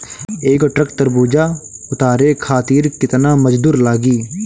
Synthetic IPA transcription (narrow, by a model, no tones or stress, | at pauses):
eːkʈɾəkt̪əɾbuːd͡ʒaːʊt̪aːɾeːkʰaːt̪iːɾkɪt̪naːməd͡ʒd̪uːɾlaːɡiː